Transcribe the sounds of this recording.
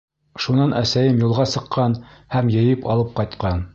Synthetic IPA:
ʃunɑnʔæsæjɘmjulˠʁɑsɤ̆qʰːɑnhæmjɘ̆jɘpɑ̰lˠɤp̚qɑjt̪qɑn

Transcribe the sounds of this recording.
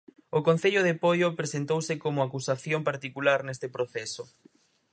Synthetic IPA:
okon̟θeʎoð̞epojopɾesent̪owsekomoakusaθjompaɾt̪ikulaɾnest̪epɾoθɛso

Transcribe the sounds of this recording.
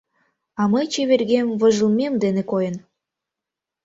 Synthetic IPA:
ɑmɤjt͡ɕeβerɣemvə̆ʒə̆lˠmʲemd̪enekojə̆n

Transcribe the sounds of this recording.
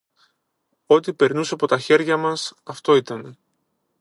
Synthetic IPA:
o̞t̪ipe̞ɾnusɐpo̞t̪ɐçe̞ɾʝɐmɐsɐft̪o̞it̪ɐne̞

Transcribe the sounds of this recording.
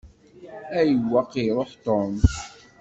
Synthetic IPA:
æjəwːɑqiɾˤoħt̪om

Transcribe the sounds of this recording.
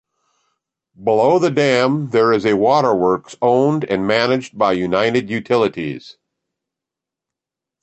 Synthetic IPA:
bəloʊðɨdæ̃mðə˞ɨzɨwɔɾə˞wɜ˞ksõʊ̃ndɨ̃nmænɨd͡ʒbaɪjʉnaɪɾɨdjʉtʰɪlˠɨɾḭz̥

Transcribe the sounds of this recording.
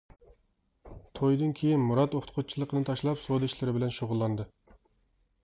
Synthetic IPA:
t̪ʰojd̪ɨnkʲʰejinmuɾɑt̪oχʰt̪qʰʊt͡ʃʰilˠəqənɨt̪ʰɑʃlˠɑpsod̪ɪiʃlɪɾɪbɪlɛnʃoʁʊlˠːɑnd̪ɨ

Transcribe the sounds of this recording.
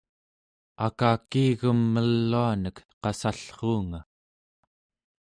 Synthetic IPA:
akaːkiːɣəmːəlːuanəkqɑsaɬχuːŋa

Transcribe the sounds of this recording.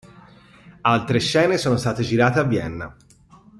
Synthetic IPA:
alt̪ɾeʃːɛːnesoːnost̪aːt̪ed͡ʒiɾaːt̪eavːjɛnːa̰

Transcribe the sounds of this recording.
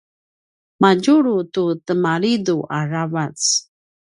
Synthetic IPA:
maɟuɾututəmaɾiduʔaɾavat͡s

